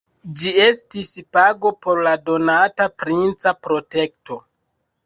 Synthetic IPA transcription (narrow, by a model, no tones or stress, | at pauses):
d͡ʒie̞stispaɡo̞po̞ɾlado̞natapɾint͡sapɾo̞te̞kto̞